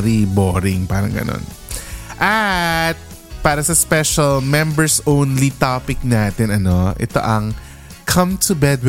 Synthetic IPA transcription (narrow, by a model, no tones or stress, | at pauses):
ɾiboːɾɪŋpaːɾɐ̰ŋɡɐ̰no̰n | ʔɐt̪̚ | paːɾɐsɐspɛʃɐlmɛmbɛɹsownlit̪apɪk̚naːt̪ɛnɐno̞ʔɛ̰t̪o̞̰ʔɐŋ | kʰɐ̃mt̪ʰubɛd̪̚w